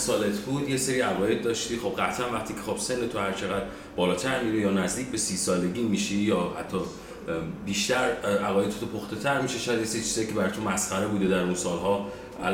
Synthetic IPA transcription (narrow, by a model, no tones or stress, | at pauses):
sɒːlet̪ʰbuːd̪jese̞ɾiːæɣɒːje̞d̪̚ːɒːʃt̪iːχo̞b̚ɢæt̪ʰænvæχt̪ʰiːcʰexo̞b̥se̞nːet̪ʰohæɾt͡ʃʰe̞ɣæd̪ | bɒːlɒːt̪ʰæɾmiɾejɒːnæzd̪iːc̚ʰbe̞siːsɒːle̞ɟiːmiːʃijɒːhæ̰t̪ʰːɒː | biːʃt̪æɾæʁɒje̞d̪t̪ʰot̪ʰopʰoxt̪e̞t̪ʰæɾmiʃeʃɔjæd̪jese̞ɾit͡ʃʰiz̥ɒjicʰʲe̞bæɾɒjt̪ʰomæsxæɾebuːd̪ed̪æɾunsɒːlɦɒː | æ̰l